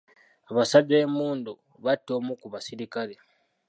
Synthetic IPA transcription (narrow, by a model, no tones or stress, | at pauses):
aβasade̞ːmuːndu | βatːo̞ːmukuβasiɾikale